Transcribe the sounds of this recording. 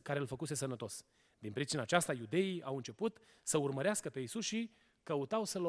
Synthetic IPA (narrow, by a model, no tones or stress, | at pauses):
kaɾe̞lfəkuse̞sənət̪o̞s | d̪inpɾit͡ʃinaːt͡ʃast̪ajud̪e̞iawɨnt͡ʃe̞put̪ | səurməɾeaskəpe̞isusʃi | kəut̪awsəlo